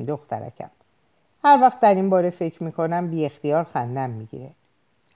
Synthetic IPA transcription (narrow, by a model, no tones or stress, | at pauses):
d̪oxt̪ʰæ̰ɾæ̰cʰæ̰m | hæɾvæxt̪̚d̪æɾinbɒːɾe̞fe̞cʰɾmiːkʰo̞næmbiːe̞xt̪ijɒːɾxænd̪æmːiɡḭɾe